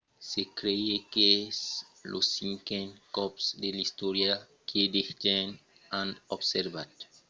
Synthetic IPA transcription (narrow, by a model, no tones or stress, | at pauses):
sekɾeekes | losiŋkẽnkɔpsd̪elist̪oɾja | kʰed̪ext̪en | anobseɾbat̪